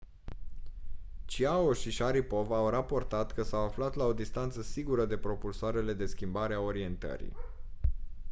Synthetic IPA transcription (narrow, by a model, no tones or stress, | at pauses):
t͡ʃiao̞ʃiʃaɾipo̞vːwrapo̞rt̪at̪kəsawaflat̪lao̞d̪ist̪ant̪səsiɡuɾəd̪e̞pɾo̞pulsoaɾe̞le̞d̪e̞skʲimbaɾeao̞ɾie̞nt̪ə̰ɾḭ